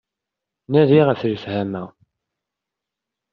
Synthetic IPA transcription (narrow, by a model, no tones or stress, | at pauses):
næðiʁæθɾəfhæmæ